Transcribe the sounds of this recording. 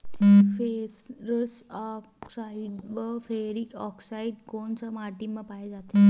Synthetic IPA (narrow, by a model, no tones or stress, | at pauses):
fesɾəsɔksaiɖʋəfeɾikɔksaiɖkoɳt͡ɕamaʈimːəpajed͡zat̪e